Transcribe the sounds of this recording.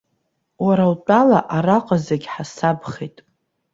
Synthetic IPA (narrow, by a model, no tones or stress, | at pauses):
waɾalt͡pʼalaʔaɾaqʼazeɡʲħasabχejtʼ